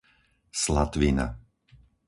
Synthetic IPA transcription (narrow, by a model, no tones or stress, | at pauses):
slat̪ʋina̰